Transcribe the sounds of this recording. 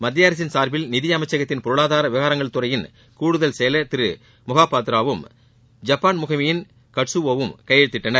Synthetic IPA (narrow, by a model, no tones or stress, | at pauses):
mɐd̪ːɪjaːɾɐs̬ɪnsaːɾbɪlnɪðɪjɐmɐɪt͡ʃːɐɣɐt̪ːɪnpɔɾɯɭaːðaːɾɐʋɪɣaːɾɐŋɡɐɭt̪ɯrɐjɪn | kuːɽɯðɐlsɛjɐlɐt̪ɪɾɯ | mʊɣaːpaːt̪ɪɾaːʋɯm | d͡ʒɐpːaːnmʊɣɐmɪjɪn | kɐʈsɯʋoːʋɯmkɐjɛɻt̪ːɪʈːɐnɐɾ